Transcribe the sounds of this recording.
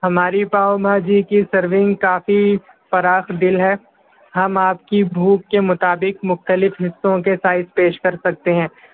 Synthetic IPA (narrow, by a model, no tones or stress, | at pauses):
ɦɐmaːɾipaːomaːd͡ʒiːkisɐɾʋɪ̃ŋɡkaːfi | fɐɾaːxd̪ɪlɦɛ | ɦɐmaːp̚kibʱuːkːemʊt̪aːbɪkmʊxt̪əlɪfɦɪsːõkesaːɪzpeːʃkɐɾsɐk̚t̪eɦɛ̃ː